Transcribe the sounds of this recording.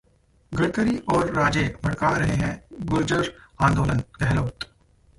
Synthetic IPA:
ɡɐɽkəɾiʔɔːɾːaːd͡ʒeːkmɐɽkaɾɐɦeɦɛ̃ɡʊld͡ʒəɾãːnd̪oːlənɡɛɦloːt̪

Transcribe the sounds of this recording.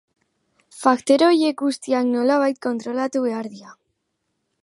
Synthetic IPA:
fakt̪e̞ɾo̞je̞kɡust̪iakno̞laβ̞ajt̪̚ko̞nt̪ɾo̞lat̪uβe̞aɾðia

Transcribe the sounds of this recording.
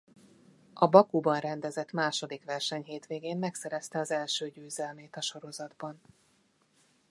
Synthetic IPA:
ʔɒbɒkubɒnrɛnd̪ɛzɛt̪maːʃo̞d̪ikʋɛrʃɛɲɦeːt̪ʋeːɡeːmmɛksɛɾɛst̪ɛɒzɛlʃøːɟøːzɛlmeːt̪ɒʃo̞ɾo̞zɒd̪bɒn

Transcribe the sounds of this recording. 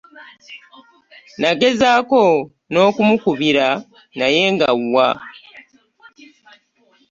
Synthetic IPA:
naɡe̞zaːko̞ | no̞ːkumukuβiɾa | naje̞ːŋɡawːa

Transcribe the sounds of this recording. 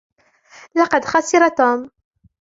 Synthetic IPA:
lɑqɑd̪xɑsˤɪɾˤɑt̪uːm

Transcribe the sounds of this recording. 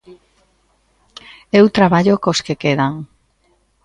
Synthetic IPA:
ewt̪ɾaβaʎokoskekeðaŋ

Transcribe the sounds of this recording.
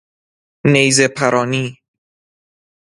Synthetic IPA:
nejzepʰæɾʔɒːniː

